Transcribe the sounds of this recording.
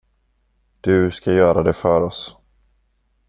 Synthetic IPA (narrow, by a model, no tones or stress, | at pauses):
d̪̥ɵskajœːɾad̪ɛfœɾɔs